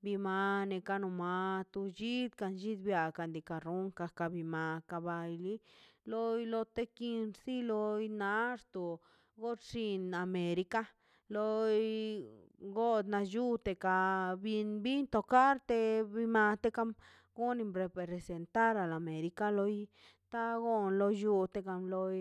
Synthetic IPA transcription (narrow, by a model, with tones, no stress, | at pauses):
bi˧ma˧ne˧ka˧nu˧ma˧t̪u˧d͡ʒi˦d̪ka˧nd͡ʒi˦d̪bja˨ka˧˨nd̪i˧˨ka˨ɾu˦ŋka˧ka˧bi˧ma˨ka˧ba˧jli˦lo˦jlo˧t̪e˦ki˧nɾsi˦lo˧jna˧˦ɾt̪o˨ | ɡo˦t̪ʂi˧na˨me˨ɾi˧ka˦ | lo˧j | ɡo˦d̪na˧ju˦t̪e˧ka˧bi˧nbi˦nt̪o˧ka˦ɾt̪e˧bi˧ma˧t̪e˦ka˧˦m | ɡ̥o˦ni˧mɾe˧pɾe˧ɾe˨se˨nt̪a˦ɾa˨la˨me˨ɾi˧ka˦lo˧j | t̪a˦ɡo˦nlo˧ju˧t̪e˧ka˧mlo˧j